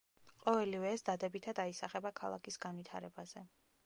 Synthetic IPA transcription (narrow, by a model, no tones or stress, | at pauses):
qʼɔvɛlivɛːsd̪ad̪ɛbit̪ʰad̪aisaχɛbakʰalˠa̰kʰisɡanvit̪ʰa̰ɾɛbaz̥ɛ